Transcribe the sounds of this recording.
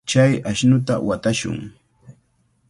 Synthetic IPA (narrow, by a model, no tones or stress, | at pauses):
t͡ʃajaʃnʊt̪a̰wat̪aʃʊ̰ŋ